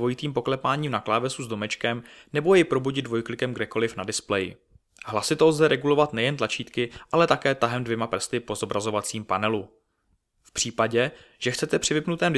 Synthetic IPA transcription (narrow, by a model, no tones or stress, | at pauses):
vo̞jɪt̪iːmpo̞klɛpaːɲiːmnaklaːvɛsuzdo̞mɛt͡ʃkɛmnɛbojɛpɾo̞buɟɪd̪dvo̞jklɪkɛmɡdɛko̞lɪfnadɪsplɛjɪ̰ | ɦlasɪt̪o̞lzɛɾʔɛɡulo̞vat̪nɛjɛnt̪lat͡ʃiːt̪kɪʔalɛt̪akɛːt̪aɦɛmdvjɛmapr̩st̪ɪpo̞zo̞bɾazo̞vat͡siːmpanɛlu | fpr̥iːpaɟɛʒ̥ɛxt͡sɛt̪ɛpr̝̥ɪvɪpnut̪ɛːmd